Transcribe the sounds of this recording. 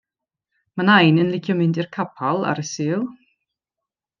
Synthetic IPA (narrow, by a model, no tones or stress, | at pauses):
manajnənlɪkʰjɔmɪndirkʰapʰalˠa̰ɾəsiːlˠ